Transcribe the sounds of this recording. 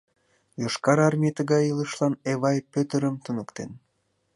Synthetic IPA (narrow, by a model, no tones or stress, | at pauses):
joʃkɑɾɑrmiet̪əɣɑjiləʃlɑneβɑjpøt̪əɾəmt̪unəkt̪en